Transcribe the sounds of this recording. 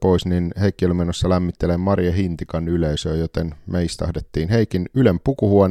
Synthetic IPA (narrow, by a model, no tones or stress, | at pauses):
poisninheikːiølymenːosːɑlæmːit̪ːelemːɑrijɑhint̪ikɑnyleisøːjot̪enmeist̪æɑhdet̪ːiːnheikinylempukuhuon